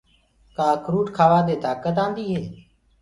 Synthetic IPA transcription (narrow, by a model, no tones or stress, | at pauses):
kaːkɾuːʈkʰaːʋãːd̪eːt̪aːkət̪ãːnd̪iːɦeː